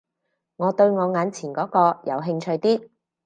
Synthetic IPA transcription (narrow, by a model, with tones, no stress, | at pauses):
ŋɔː˨˧t̪ɵ˧ɥŋɔː˨˧ŋaː˨˧nt͡sʰiː˨˩nkɔː˨˥kɔː˧jɐ̰˨˧wɦɪ˧ŋt͡ʃʰɵ˧ɥt̪iː˥